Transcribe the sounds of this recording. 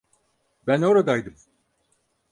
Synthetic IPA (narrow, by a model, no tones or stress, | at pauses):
bæno̞ɾad̪ajd̪ɯm